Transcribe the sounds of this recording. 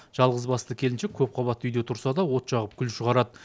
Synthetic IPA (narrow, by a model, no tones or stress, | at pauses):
ʒ̥ɑlˠʁəzbɑst̪əkʲʰe̞lɪnʃekʲʰɵp̚qʰɑβɑt̪ːʏjd̪e̞t̪ʰʊɾsɑd̪ɑwo̞t̪ʃɑʁəp̚kʲʰʏlʃəʁɑɾɑd̪ə